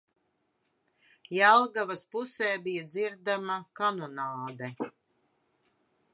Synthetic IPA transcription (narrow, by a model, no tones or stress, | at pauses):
jalˠɡavaspusɛːbijad̪ziɾd̪amakanɔnaːd̪ɛ